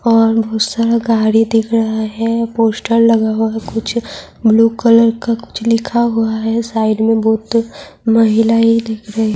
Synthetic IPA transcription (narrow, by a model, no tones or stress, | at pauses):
ɔːɾbɔːt̪saɾaɡaːɽid̪ɪkʰɾɐɦaɦɛpoːsʈəɾlɐɡaɦuaɦɛkʊt͡ʃʰ | bluːkələɾkakʊ̥t͡ʃʰlɪkʰaɦuaɦɛsaːɪɖmẽbɔːt̪mɐɦɪlaːid̪ɪkʰɾɐɦeɦɛ